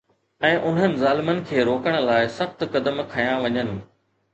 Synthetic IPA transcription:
ɛ̃ːʔʊn̤ɦənɪ̆zaːlɪmənɪ̆kʰeːɾoːkəɽ̃̆laːɪsɐxt̪kɐd̪əmkʰɐjãʋɐɲənɪ̆

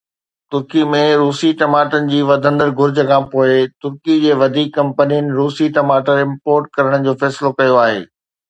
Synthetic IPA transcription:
t̪ʊɾkimẽɾuːsiʈɐmaːʈənɪ̆d͡ʑiːʋɐd̪ʱə̃nd̪əɾɡʱʊɾd͡ʑəkʰãːpoːet̪ʊɾkid͡ʑeːʋɐd̪ʱiːkːɐ̃mpənijənɪ̆ɾuːsiʈɐmaːʈəɾɪ̃mpoːɾʈ̚kɐɾəɽ̃d͡ʑoːfɛːsɪlokɐjoaːɦḛː

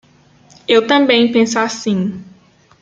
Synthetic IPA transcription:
ewt̪ɐ̃mbẽj̃pẽsasĩ

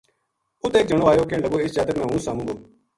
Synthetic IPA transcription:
ʊt̪eːk̚d͡ʒəɳoːaːjoːkẽːɳɖəɡoːɪst͡ʃaːt̪əkmɛ̃ːɦũːsaːmũːɡ̪oː

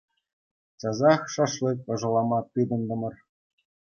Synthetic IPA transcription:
t͡ɕɑzɑxʂɑʂlʲɤt̚ʲɤ̆ʐɤ̆lˠɑmɑt̪ʲid̪ɤ̆nd̪ɤ̆mɤ̆r

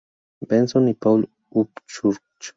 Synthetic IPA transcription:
bensonipawl | upt͡ʃuɾ | t͡ʃ

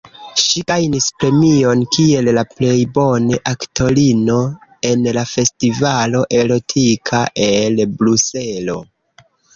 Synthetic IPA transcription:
ʃiɡajnispɾe̞mio̞nkie̞llaple̞jbo̞neʔaktʰo̞lino̞e̞nlafe̞stivalo̞ʔe̞ɾo̞tʰikʰaʔe̞lbɾuselo̞̰

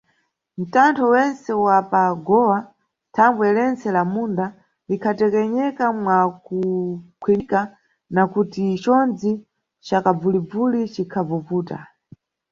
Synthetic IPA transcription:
m̩tantʰɔwɛnsɛwapaɡɔwa | tʰaŋɡwɛlɛnt͡sɛlamunda | likʰatɛkɛɲɛkamwakukʰwɛnika | nakutit͡ʃɔnd͡zi | t͡ʃakab͡vulib͡vulit͡ʃikʰavupuːta̰

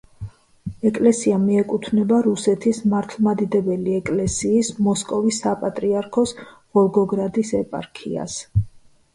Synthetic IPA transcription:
ɛkʼlɛsiamiɛkʼut̪ʰnɛbaɾusɛt̪ʰismaɾt̪ʰlˠmad̪id̪ɛbɛliɛkʼlɛsiːsmɔskʼɔvisːapʼat̪ʼɾiaɾkʰɔs | ʁ̥ɔlˠɡɔɡɾad̪isɛpʼa̰ɾkʰḭa̰s

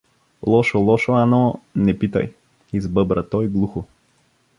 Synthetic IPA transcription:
lˠɔʃolˠɔʃoanɔnɛpit̪ɐ̰j | izbɤbɾət̪ɔjɡlˠuxo

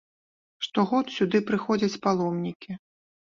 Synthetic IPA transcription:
ʂt̪ɔɣɔt̪sʲud̪ɨpɾɨxɔd͡zʲɐt͡sʲpalˠɔmnʲikʲi

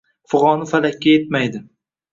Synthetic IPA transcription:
fʊʁɒnɪfalakʲːajet̪̚majd̪ɪ

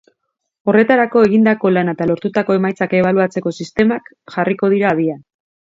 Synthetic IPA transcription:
o̞re̞t̪aɾako̞e̞ɣind̪ako̞lanaet̪alo̞ɾt̪ut̪ako̞e̞majt͡sake̞β̞aluat͡se̞ko̞sist̪e̞mak | ʝariko̞ðiɾaβia

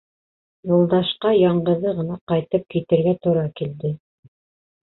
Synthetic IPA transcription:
julˠd̪ɑʃqɑjɑɴɢɤ̆ðɤʁɤ̆nɑqɑjt̪ɤp̚kit̪ɘ̆ɾɡæt̪uɾɑkild̪ɘ

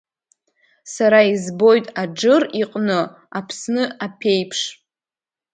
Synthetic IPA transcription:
saɾaizbo̞jtʼad͡ʒɨriqʼnɨ | apʰsnɨapʰe̞jpʰʂ

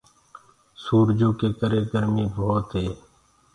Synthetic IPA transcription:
suːɾd͡ʒõːkeːkəɾeːɡəɾmiːboːt̪ɦeː

